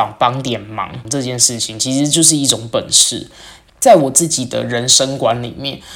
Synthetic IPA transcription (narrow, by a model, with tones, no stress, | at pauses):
ɑ˨˩ŋpɑ˥ŋt̪jɛ˨˩nmɑ̰˧˥ŋŋʈ͡ʂɤ˥˧t͡ɕjɛ˥˧nʂɻ̩˥˩t͡ɕʰi˨˦ŋt͡ɕʰi˧˥ʂɻ̩˧˥t͡ɕjo˥˧ʊʂ̬ɻ̩˥˧i˥˩ʈ͡ʂʊ˨˩ŋpə˨˩nʂɻ̩̰˥˩ | t͡sa˥˩ɪwɔ˨˩t͡sɹ̩˥˩t͡ɕi˨˩d̪ə̰˦ɻə˧˦nʂə˥ŋkwa˧˦nlḭ˨˩mjɛ˥˨n